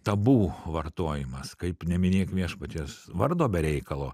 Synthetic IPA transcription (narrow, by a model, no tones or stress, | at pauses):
t̪ɐbuːʋɐrt̪oːjɪmɐskɐɪpnʲɛmʲɪnʲeːkmʲiɛʃpɐt̪ʲeːsʋɐrd̪oːbʲɛɾʲɛɪkɐlˠoː